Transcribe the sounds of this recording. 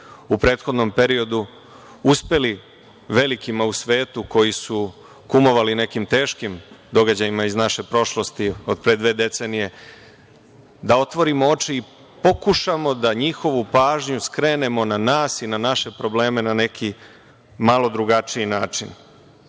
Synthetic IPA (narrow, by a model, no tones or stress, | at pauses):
upɾe̞ːt̪xo̞d̪no̞mpe̞ɾio̞d̪u | uspe̞li | ʋe̞likimausʋe̞ːt̪uko̞jisu | kumo̞ʋaline̞kimt̪e̞ːʃkimd̪o̞ɡad͡ʑajimaiznaʃe̞pɾo̞ʃlo̞st̪io̞d̪̚pɾed̪ʋe̞ːd̪e̞t̪se̞nije̞ | d̪ao̞t̪ʋo̞ɾimoo̞t͡ʃiː | po̞kuʃamo̞d̪aɲixo̞ʋupaːʒɲuskɾe̞ːne̞mo̞nanaːsinanaʃe̞pɾo̞ble̞ːme̞nane̞kʰi | malo̞d̪ɾuɡat͡ʃijinaːt͡ʃin